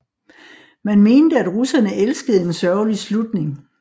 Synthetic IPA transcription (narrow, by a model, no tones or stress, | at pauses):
mænme̝ːnd̥əæd̥ʁusɐnəʔelsɡ̥əð̞̩ˠe̝nsɶɐʊlislud̥ne̝ŋ